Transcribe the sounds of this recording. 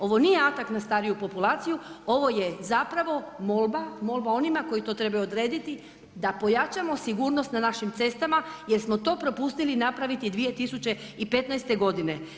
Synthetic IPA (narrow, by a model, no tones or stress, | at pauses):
o̞ʋo̞nijeat̪aknast̪aːɾijupo̞pulˠaːt̪sijuo̞ʋo̞je̞zapɾaʋo̞mo̞lˠbamo̞lˠbao̞nimako̞jit̪o̞ːt̪ɾe̞bajuod̪ɾe̞ːd̪it̪i | d̪apo̞jat͡ʃamo̞siɡuːɾno̞st̪nanaʃimt̪se̞st̪amaje̞ɾsmo̞t̪o̞ːpɾo̞pust̪ilinapɾaʋit̪id̪ʋije̞t̪isut͡ɕe̞ | ipe̞t̪najst̪e̞ɡo̞d̪ine̞